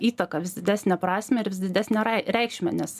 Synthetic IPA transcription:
iːt̪ɐkɑʋʲɪsd̪ʲɪd̪ʲæːsʲnʲɛpɾɑːsʲmʲɛɪɾʋʲɪsd̪ʲɪd̪ʲæːsʲnʲɛɐɪɾʲɛɪkʃʲmʲɛnʲɛs

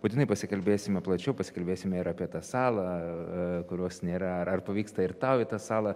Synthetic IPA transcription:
but̪ʲɪnɐɪpɐsʲɪkɐlʲbʲeːsʲɪmʲɛplˠɐt͡ʃʲɛʊpɐsʲɪ̥kɐlʲbʲeːsʲɪmʲɛɪɾɐːpʲiɛt̪ɑsɑːlˠɐ | kʊɾʲoːsnʲeːɾɐɐɐrpɐʋʲiːkst̪ɐɪɾt̪ɑʊɪt̪ɑːsɑːlˠɐ

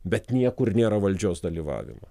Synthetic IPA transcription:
bʲɛt̪nʲiɛkʊɾnʲeːɾɐʋɐlʲd͡ʒʲoːsd̪ɐlʲiːʋɑ̰ːʋʲɪ̰mɐ̰

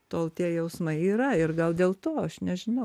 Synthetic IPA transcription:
t̪oːlˠt̪ʲiɛjɛʊsmɐɪiːɾɐɪrɡɐlˠd̪ʲeːlˠt̪oːɐʃnʲɛʒʲɪnɐʊ

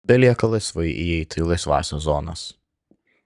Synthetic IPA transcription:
bʲɛlʲiɛkɐlˠɐɪsʋɐɪʔḭɛɪt̪ʲilˠɐɪsʋɑ̰ːsʲɛzɔːnɐ̰s

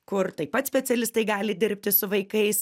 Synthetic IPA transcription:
kʊrt̪ɐɪpɐt̪sʲpʲɛt̪sʲɛlʲɪst̪ɐɪɡɑːlʲɪd̪ʲɪɾʲpʲt̪ʲɪsʊʋɐɪkɐɪs

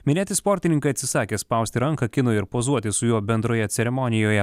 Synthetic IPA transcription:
mʲɪnʲæːt̪ʲɪspɔːɾʲt̪ʲɪnʲɪŋkɐɪɐt̪ʲsʲɪsɑːkʲeːspɐʊsʲt̪ʲɪɾɐŋkɐkʲɪnʊɪɾpoːzuɔt̪ʲɪsʊjuːbʲɛnd̪ɾoːjɛt̪sʲɛɾʲɛmɔnʲɪjoːjɛ

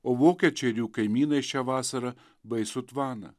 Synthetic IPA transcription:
oːʋoːkʲɛt͡ʃʲɛɾʲuːkɐɪmʲiːnɐɪʃt͡ʃʲɛːʋɑːsɐɾɐ | bɐɪsʊt̪ʋɑːnɐ̰

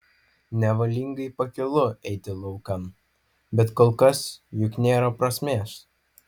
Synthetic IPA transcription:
nʲɛʋɐlʲiːŋɡɐɪpɐkʲɪlˠʊɛɪt̪ʲɪlˠɐʊkɐm | bʲɛt̪koːlˠkɐsjʊknʲeːɾɐpɾɐsʲmʲeːs

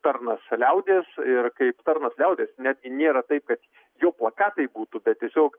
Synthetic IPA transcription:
t̪ɐrnɐslʲɛʊd̪ʲeːsɪrkɐɪpt̪ɐrnɐslʲɛʊd̪ʲeːsnʲæːd̪ʲɡʲɪnʲeːɾɐt̪ɐɪp̚kɐt̪ | joːplˠɐkɑːt̪ɐɪbuːt̪ubʲɛt̪̚tʲiɛsʲoːk

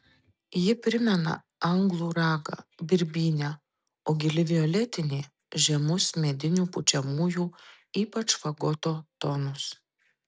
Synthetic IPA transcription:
jɪpʲɾʲɪmʲɛnɐ̰ | ɐŋɡlˠuːɾɑːɡɐ̰bʲɪɾʲbʲiːnʲæ | oːɡʲɪlʲɪʋʲɪjoːlʲɛt̪ʲɪnʲeː | ʒʲɛmʊsmʲɛd̪ʲɪnʲuːpʊt͡ʃʲɛmuːjuː | iːpɐt͡ʃfɐɡɔt̪oːt̪onʊs

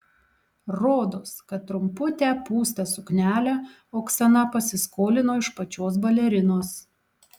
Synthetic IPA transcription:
ɾoːd̪oskɐt̪ːɾʊmpʊt̪ʲæpuːst̪ɐsʊknʲæːlʲæ | oːksɐnɐpɐsʲɪskoːlʲɪnoːɪʃpɐt͡ʃʲoːsbɐlʲɛɾʲɪnoːs

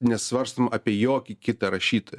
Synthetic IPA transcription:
nʲɛsʋɐɾst̪omɐʔɐpʲiɛjoːkʲɪkʲɪt̪ɐɾɐʃʲiːt̪oːj

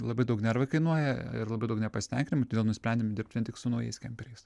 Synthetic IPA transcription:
lˠɐbɐɪd̪ɐʊknʲæɾʋɐɪkɐɪnuɔjɛɪ̰rlˠɐbɐɪd̪ɐʊknʲɛpɐsʲɪ̥t̪ʲɛŋʲkʲɪnʲɪmʊt̪od̪ʲeːlˠnʊsʲpɾʲɛnʲdʲɪmʲd̪ʲɪrp̚t̪ʲʋʲiɛnt̪ʲɪksʊnɐʊjɛ̰ɪskʲɛmʲpʲɛɾʲɛɪs

